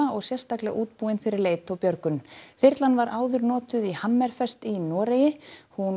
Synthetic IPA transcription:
aɔɣsjɛr̥st̪aklɪɣa̰ʔuːt̪̚puːɪnfɪɾɪɾleːjt̪ɔwpjœɾkʏnθɪɾ̥t̪lanvaɾʔaːwðʏɾnɔːt̪ʏðihamːɛɾ̥fɛst̪inɔːɾejɪhun

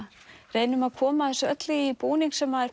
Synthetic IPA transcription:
reːjnʏmaðkʰɔːmaθɛsɔœt̪lɪipuːniŋksɛmaðɛ

